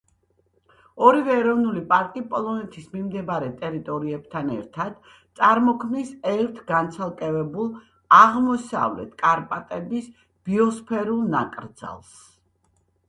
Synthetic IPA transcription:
ɔɾivɛːɾɔvnulipʼaɾkʼipʼɔlˠɔnɛt̪ʰismimd̪ɛbaɾɛt̪ʼɛɾit̪ʼɔɾiɛb̚t̪ʰanɛ̰ɾt̪ʰad̪̥ | t̪sʼaɾmɔkʰmnisɛɾt̪ʰɡant̪sʰalˠkʼɛvɛbulˠ | aʁmɔsa̰vlɛ̰t̪ʰkʼaɾpʼat̪ʼɛbis | b̥iɔspʰɛɾulˠna̰kʼɾd̪z̥a̰lˠs

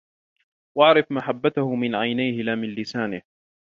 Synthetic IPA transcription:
waʕɾɪfmaħabːat̪ahʊmɪnʕajnajhɪlaːmɪnlɪsaːnɪh

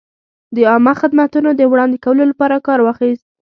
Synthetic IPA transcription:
d̪əɑmaxɪd̪mat̪unod̪əwɽɑnd̪ɪkawəlolapɑɾakɑɾwɑxist̪̚

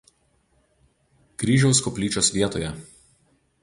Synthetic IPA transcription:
kɾʲiːʒʲɛʊskɔpʲlʲiːt͡ʃʲoːsʋʲiɛt̪oːjɛ

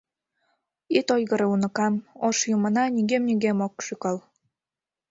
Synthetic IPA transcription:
it̪ojɣə̆ɾɤunə̆kɑmoʃjumə̆nɑnʲiɣemnʲiɣemokʃykɑl

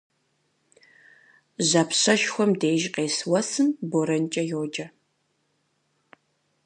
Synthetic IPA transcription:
ʑɐpɕɐʃxʷɔmdeːjʒqeːswɐsɨmboɾɐnt͡ʃʼɐjoːd͡ʒɐ

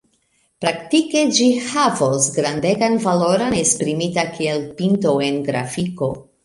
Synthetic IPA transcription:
pɾaktike̞d͡ʒihavosɡɾandeɡanvalo̞ɾonespɾimitakʰielpintoe̞nɡɾa̰fiko̞

